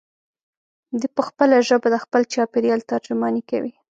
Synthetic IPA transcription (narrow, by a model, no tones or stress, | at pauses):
d̪ipəxpəlaʒəbad̪əxpəlt͡ʃɑpeɾjɑlt̪aɾd͡ʒʊmɑnika̰wi